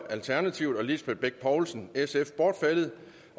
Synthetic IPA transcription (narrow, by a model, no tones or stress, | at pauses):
ælt͡sʰæɐnæt͡sʰiʊ̰d̥ɒ̽lisb̥edˠb̥eɡ̥̚pʰɒʊlsn̩esefb̥ɒːd̥felð̩ˠ